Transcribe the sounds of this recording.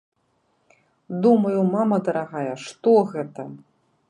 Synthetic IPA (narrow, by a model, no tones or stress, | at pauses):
d̪umɐjumamɐd̪ɐɾaɣajɐʂt̪ɔɣɛt̪ɐ